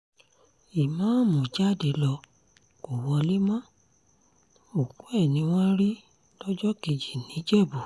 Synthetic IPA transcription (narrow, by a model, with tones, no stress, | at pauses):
i˨mãː˨˦˨mũ˨d͡ʒa˦˨de˨˧lɔ˧ | ko˨wɔ˧li˦mɔ̃˦ | o˨ɡũ˨˦ɛ˦˨nĩ˧w̃ɔ̃˦ɾi˦ | d̥ɔ˦d͡ʒɔ˦ke˧d͡ʒi˨nĩ˨˦d͡ʒɛ˦˨bu˨